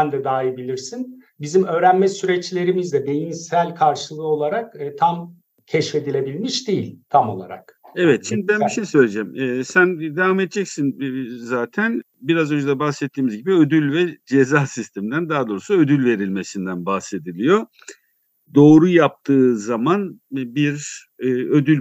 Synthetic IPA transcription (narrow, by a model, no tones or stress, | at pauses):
ænd̪ɛd̪aːjibilʲiɾsin | bizimø̞ːɾænmɛsyɾɛt͡ʃlʲe̞ɾimizd̪ɛd̪e̞jinsælʲkʰaɾʃɯlˠɯo̞lˠaɾakːt̪ʰam | cʰɛʃfe̞d̪ilʲe̞bilʲmiʃd̪ejilʲt̪ʰamo̞lˠa̰ɾa̰k̚evɛt̪ʃimd̪ibænbiʃejsøjlʲed͡ʒɛmɛːsænd̪evaːmed̪̚d͡ʒɛcsinzaːt̪ʰæn | biɾazø̞nd͡ʒed̪ɛbaxsɛt̪ʰːiːmizɟibiød̪ylʲvɛd͡ʒezaːsist̪ʰɛmind̪ænd̪aːad̪o̞ːɾusuø̞d̪ylʲve̞ɾilʲme̞sind̪ænbaxse̞d̪ilʲijo̞ | d̪o̞ːɾujap̚t̪ʰɯːzamanbiɾː | ø̞d̪ylʲ